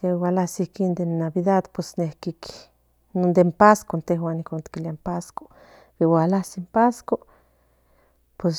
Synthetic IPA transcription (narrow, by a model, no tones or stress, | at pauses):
awalasikind̪enːaβiðad̪pwesnehkik | nond̪empaskont̪eɦwanikont̪kilampasko̥ | biwalasimpasko | pwes